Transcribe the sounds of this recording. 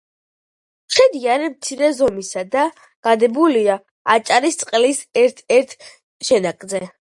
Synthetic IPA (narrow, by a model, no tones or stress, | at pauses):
ʃɛd̪iaɾɛmt̪sʰiɾɛzɔmisad̪a | ɡ̥ad̪ɛbulia | at͡ʃʼaɾist̪sʼqʼlisɛɾt̪ʰɛɾt̪ʰ | ʃɛnakʼzɛ